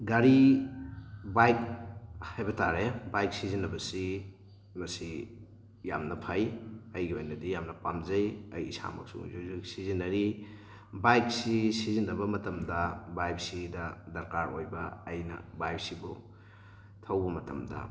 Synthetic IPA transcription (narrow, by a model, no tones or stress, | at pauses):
ɡaɾi | bajk̚hajbɐtʰaɾebajk̚sizinːɐbɐsi | mɐsi | ja̰mnɐpʰajɐjɡiojnɐdijamnɐpamzɐjɐjisa̰mɐ̰k̚sṵzuzisizinːɐɾi | bajk̚sisizinːɐbɐmɐtɐmdɐbajp̚sidɐdɐɾkaɾojbɐːjnɐ̰bajp̚sibṵ | tʰɐwbɐmɐtɐ̰mdɐ̰